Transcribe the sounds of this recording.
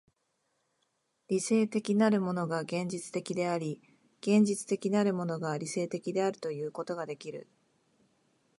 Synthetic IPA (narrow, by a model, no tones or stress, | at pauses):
ɾʲise̞ːt̪e̞kʲinaɾɯ̟mo̞no̞ɡaɡẽ̞ɲ̟d͡ʑit͡sɨ̥t̪e̞kʲid̪e̞aɾʲi | ɡ̥ẽ̞ɲ̟d͡ʑit͡sɨ̥t̪e̞kʲinaɾɯ̟mo̞no̞ɡaɾʲise̞ːt̪e̞kʲid̪e̞aɾɯ̟̥t̪o̞jɯ̟ːko̞t̪o̞ɡad̪e̞kʲiɾɯ̟̰